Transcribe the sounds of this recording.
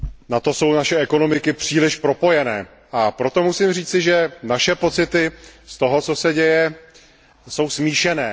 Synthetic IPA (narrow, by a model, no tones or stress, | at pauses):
nat̪o̞so̞wnaʃɛʔɛko̞no̞mɪkɪpr̝̥iːlɪʃpɾo̞po̞jɛnɛː | ʔapɾo̞t̪o̞musimriːt͡sɪʒɛnaʃɛpo̞t͡sɪt̪ɪst̪o̞ɦo̞t͡so̞sɛɟɛjɛ | so̞wsmiːʃɛnɛː